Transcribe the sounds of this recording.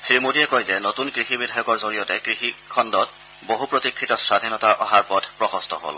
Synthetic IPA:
sɹimodiɛkojzɛnotunkɹixibidʱajɔkɔɹzoɹijɔtɛkɹixikʰɔndɔt | boɦupɹotikʰɹitɔsad̪ʱinɔtaʔɔɦaɹpɔdʱpɹɔxɔstʰɔɦo̰l

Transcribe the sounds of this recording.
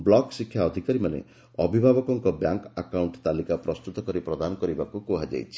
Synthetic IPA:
blɔksikʰːjaɔd̪ʱikaɾimanḛ | ɔbʱibʱabɔkɔŋkɔbjaŋkakawɳʈt̪alikapɾɔst̪ut̪ɔkɔɾipɾɔd̪anɔkɔɾibakukoɦad͡ʒa̰jt͡ʃʰi̥

